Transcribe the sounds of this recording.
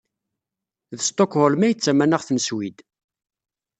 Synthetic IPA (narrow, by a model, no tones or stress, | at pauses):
ðəst̪okhʊlmæjət͡sːæmænəʁθnəswid̪